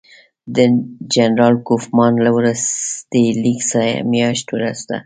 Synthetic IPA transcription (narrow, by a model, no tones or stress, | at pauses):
d̪əd͡ʒanɾɑlkufmɑnlawɾəst̪eliksaɾ̰mjɑʃt̪wɾa̰sd̪a̰